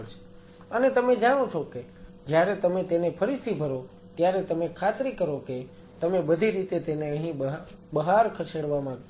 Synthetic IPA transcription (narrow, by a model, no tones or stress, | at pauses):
t͡ʃʰ | ənet̪əmed͡ʒaɽ̃õt͡ʃʰoke | d͡ʒjaɾet̪əmet̪enepʰəɾisibʱəɾo | t̪jaɾet̪əmekʰat̪ɾikəɾoke | t̪əmebəd̪ʱiɾit̪et̪eneəɦĩ | bəɦaɾkʰəseɽʋamã